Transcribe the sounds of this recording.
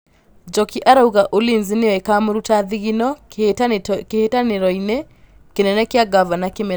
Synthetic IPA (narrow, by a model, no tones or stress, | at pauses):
d͡ʒɔkiʔaɾauɣaʔolinzineɔekamoɾutaðiɣinɔ | kehetaneɾɔinɛ | kenɛnɛkeaɡavanakeme